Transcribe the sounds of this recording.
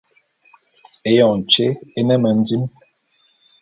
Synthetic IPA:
e˨jɔ̃˨n˨t͡ʃe˦e˦nɛ˦mə˨n̩˦di˦m

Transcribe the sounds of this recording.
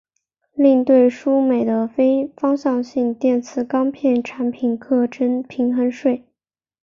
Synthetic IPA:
li˥˧ŋt̪we˥˩ɪʂu˥me˨˩ɪd̪ə˦fe˥ɪfɑ˥ŋɕjɑ˥˧ŋɕi˥˧ŋt̪jɛ˥˩nt͡sʰɹ̩˧˩kɑ˥ŋpʰjɛ˥˩nʈ͡ʂʰa˧˥npʰi˨˩nkʰɤ˥˩ʈ͡ʂə˥npʰi˧˥ŋxə˧˥nʂwe˥˩ɪ

